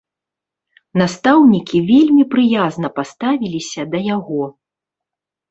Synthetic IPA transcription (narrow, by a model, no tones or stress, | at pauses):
nast̪awnʲikʲivʲelʲmʲipɾɨjaznɐpast̪avʲilʲisʲɐd̪ɐjaɣɔ